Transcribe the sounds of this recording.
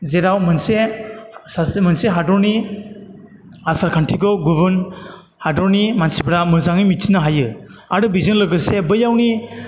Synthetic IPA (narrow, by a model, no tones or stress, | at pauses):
zeɾawmɯnse | sasmɯnseɦadɔɾni | asaɾkʰantʰiɡɔɡubɯn | hadɔɾnimansibɾamɯzaŋimitʰinaɦajɯa̰ɾɯbizɯnlɯɡɯsebɯjawni